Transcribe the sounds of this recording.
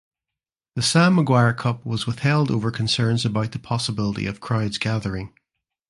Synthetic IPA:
ðəsaməɡwaɹkʰʌp̚wɒzwɪθhɛlˠdovə˞kʰə̃nsɜ̃˞nzəbaʊʔ̪̚ðəpʰɒsəbɪlˠəɾḭəv̥kʰɹ̥aɪdzɡaðə˞ɪ̃ŋ

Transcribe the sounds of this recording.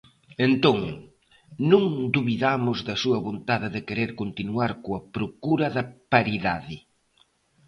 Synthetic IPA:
ent̪oŋ | nũŋd̪uβiðamʊzðɐsuɐβont̪aðɪðɪkeɾeɾkont̪inuaɾkoɐpɾokuɾɐðɐpaɾiðaðɪ

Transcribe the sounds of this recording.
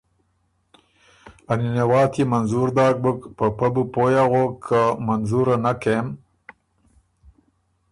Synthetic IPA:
aninewɑːt̪ʰimanzuɾd̪ɑːk̚bəkpəpabupojaɣokʰːamanzuɾanakem

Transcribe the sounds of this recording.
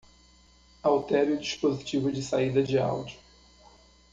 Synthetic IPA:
awt̪ɛɾjʊd͡ʒiʃpozit͡ʃivʊd͡ʒɪsaid̪ɐd͡ʒɪa̰wd͡ʒʊ

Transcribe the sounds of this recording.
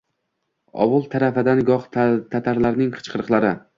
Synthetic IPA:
ɒ̰wʊlˠt̪ʰaɾafad̪anɡɒq̪t̪ʰat̪ʰaɾlaɾnɪŋqʰɨ̥t͡ʃqʰɨɾɨqlˠaɾɪ

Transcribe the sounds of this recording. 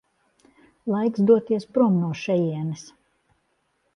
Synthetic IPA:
lˠajksd̪uɔt̪iɛspɾuɔmnuɔʃɛjiɛnɛs

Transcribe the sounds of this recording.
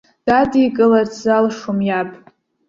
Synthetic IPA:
d̥adikʼɨlart͡sʰzalʂomjapʼ

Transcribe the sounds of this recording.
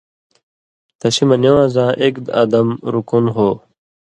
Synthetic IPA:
t̪ɐɕimɐnewãːzãːʔekd̪ɐ̰d̪ɐmɾukunɦoː

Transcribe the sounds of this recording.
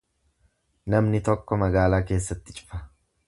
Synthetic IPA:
nɐmnɪt̪ɔkːɔmɐɡaːlaːke̞ːsːɐt̪ːɪ̥t͡ʃʼɪ̥fɐ

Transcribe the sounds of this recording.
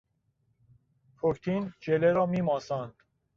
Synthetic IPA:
pʰokt̪ʰind͡ʒeleɾɒːmiːmɒːsɑːnd̪̥

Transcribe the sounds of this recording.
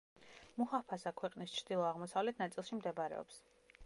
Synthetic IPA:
muhapʰasakʰwɛqʼnist͡ʃʰɾd̪̥ilˠɔaʁmɔsavlɛt̪ʰnat̪sʼilˠʃimd̪ɛbɾɛ̰ɔ̰ps

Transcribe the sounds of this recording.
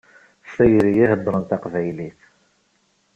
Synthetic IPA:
sæjɾijihəbːɾˤənt̪aqvæjliθ

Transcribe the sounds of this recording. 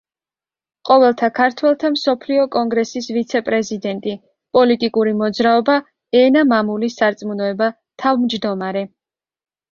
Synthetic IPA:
qʼɔvɛlˠt̪ʰakʰaɾt̪ʰwɛlˠt̪ʰamsɔpʰliɔkʼɔŋɡɾɛsisvit̪sʰɛpʼɾɛzid̪ɛnt̪ʼi | pʼɔlit̪ʼikʼuɾimɔd̪zɾaɔba | ɛnamamulisːaɾt̪sʼmunɔɛba | t̪ʰavmd͡ʒd̪ɔmaɾɛ

